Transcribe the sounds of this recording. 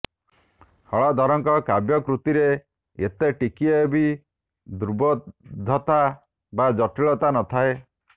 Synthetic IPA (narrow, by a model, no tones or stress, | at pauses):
hɔɭɔd̪ʱɔɾɔŋkɔkabjɔkɾut̪iɾe | et̪eʈikiebi | d̪uɾubɔd̪ʱːɔt̪a | bad͡ʒɔʈiɭɔt̪anɔt̪ʰae